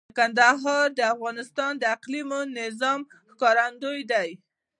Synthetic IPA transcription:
kand̪aɦɑɾd̪əafɣɑnɪst̪ɑnd̪əaqlimonɪzɑm | xkɑɾand̪ojd̪aj

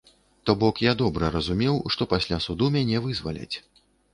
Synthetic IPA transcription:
t̪ɔbɔkjad̪ɔbɾɐɾɐzumʲɛwʂt̪ɔpasʲlʲasud̪umʲanʲɛvɨzva̰lʲɛ̰t͡sʲ

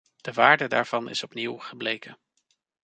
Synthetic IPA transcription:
d̥əʋaːɹdəda̰ːɹv̥ɑnɪ̰sɔpniwχəblejkən

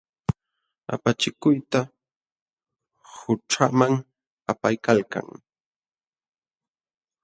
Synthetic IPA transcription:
a̰pat͡ʃɪkʊjt̪a | hʊʈ͡ʂamaŋ | apajkalka̰ŋ

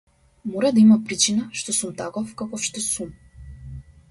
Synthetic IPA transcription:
mɔɾad̪aimapɾit͡ʃinaʃt̪ɔsumt̪akɔfkakɔfʃt̪ɔsum

